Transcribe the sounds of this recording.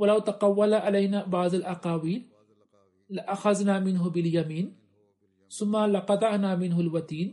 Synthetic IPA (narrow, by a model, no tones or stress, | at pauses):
walawt̪ɑqɑwːalaʕalajnaːbɑʕðˤalʔɑqɑːwiːlː | ɪʔaxaznaːmɪnɦʊbɪljamiːn | θʊmːalɪqɑd̪ˤɑʕnaːmɪnɦalwat̪iːn